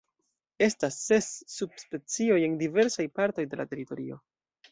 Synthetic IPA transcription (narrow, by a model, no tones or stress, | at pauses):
e̞stasːe̞sːubspe̞t͡sioje̞ndive̞ɾsajpaɾto̞jde̞la̰te̞ɾito̞ɾio̞